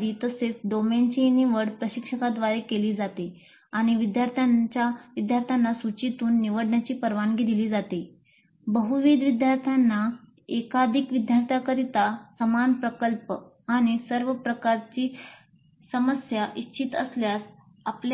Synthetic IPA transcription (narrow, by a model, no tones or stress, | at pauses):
d̪iːt̪əset͡sd̪oment͡ɕiniʋəɽpɾəɕikʂəkad̪ʋaɾekeliːd͡zat̪e | aɽ̃iʋid̪jaɾt̪ʰjant͡ɕjaʋid̪jaɾt̪ʰjanːasut͡ɕit̪uːnːiʋəɽɳjat͡ɕiːpəɾʋanɡid̪iliːd͡zat̪e | bəɦuʋid̪ʋid̪jaɾt̪ʰjanːa | ekad̪ʱikʋid̪jaɾt̪ʰjakəɾit̪asəmanpɾəkəlp | aɽ̃isəɾʋəpɾəkaɾt͡ɕiː | səməsjaʔit͡ɕit̪əsljas | apl